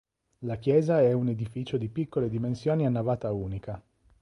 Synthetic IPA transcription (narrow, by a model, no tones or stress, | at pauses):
lakjɛːzaɛuned̪ifiːt͡ʃod̪ipikːoled̪imensjoːnianːavaːt̪auːnika